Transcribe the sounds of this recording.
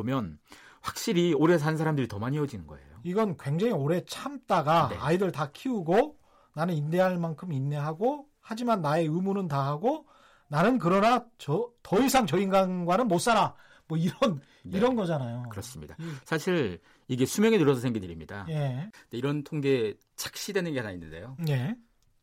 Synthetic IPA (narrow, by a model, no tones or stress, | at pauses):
bomjʌnɸwak̚ɕ͈iɾioɾes̬ʰanɯnsʰaɾamdɯɾitʌmaɲiʌd͡ʑinɯnɡʌe̞̰joiɡʌnkwe̞ŋd͡ʑaŋioɾe̞t͡ɕʰamt͈aɡaeːidɯɭtakʰiuɡo | nanɯninːe̞ɦaɭmankʰɯminːe̞ɦaɡo | had͡ʑimanːae̞ɯmunɯntaɦaɡo | nanɯnk̬ɯɾʌnat͡ɕʌtʌisʰaŋt͡ɕʌinɡanɡwanɯnmos͈aɾa | mwʌiɾʌn | iɾʌnɡʌd͡ʑanajokɯɾʌs͈ɯmɲidasʰaɕʰiɾ | iɡe̞sʰumjʌŋinɯɾʌsʰʌsʰeŋɡiniɾimɲida̰je̞deiɾʌntʰoŋɡe̞ | t͡ɕʰḁk̚ɕ͈idwe̞nɯnɡe̞hanainːɯnde̞̰jone̞